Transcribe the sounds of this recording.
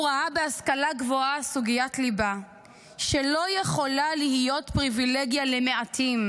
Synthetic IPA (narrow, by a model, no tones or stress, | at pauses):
ʁaabeaskalaɡvoasuɡijatliba | ʃelo̞jeχo̞lalihijo̞tpʁivileɡjaleme̞at̪ʰim